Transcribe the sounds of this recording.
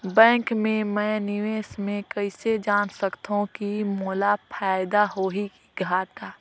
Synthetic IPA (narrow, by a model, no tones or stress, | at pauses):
bɛ̃ːŋkmẽmɛ̃ːnɪʋeːsmẽkɐɪsed͡ʒaːnsəkt̪aɦũkimoːlapʰaːɪd̪aɦoːɦikiɡʱaːʈaː